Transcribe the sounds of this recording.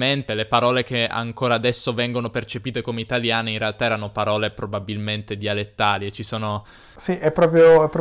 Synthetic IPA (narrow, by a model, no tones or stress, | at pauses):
ment̪elepaɾɔːlek̟ea̰ŋkoːɾaːd̪ɛsːovɛŋɡonopert͡ʃepiːt̪ekomeit̪aljaːneinrealt̪aɛːɾanopaɾɔːlepɾobabilment̪ed̪ialet̪ːaːliet͡ʃisoːno | siʔɛpːɾɔːpɾjoɛpːɾ